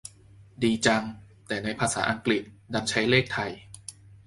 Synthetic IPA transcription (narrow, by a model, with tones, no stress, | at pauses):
diː˧t͡ɕa˧ŋ | t̪ɛː˨˩na˧jpʰaː˧saː˩˦ʔa˧ŋkli˨˩t̪̚da˧nt͡ɕʰa˦˥jleː˥˩k̚t̪ʰa˧j